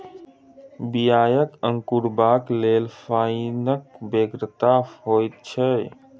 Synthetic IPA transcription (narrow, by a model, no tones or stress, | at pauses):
bijaːjəkə̃ŋkuɾbaːkleːlfaːinək̚beːɡɾt̪ahoːjt̪̚t͡ʃʰe